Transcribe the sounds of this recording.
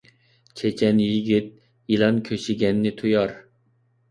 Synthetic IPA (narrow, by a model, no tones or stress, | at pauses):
t͡ʃʰet͡ʃʰɛnjiɡʲit̪̚ | ilˠɑnkʲʰøʃiɡʲɛnːɪt̪ʰujɑɾ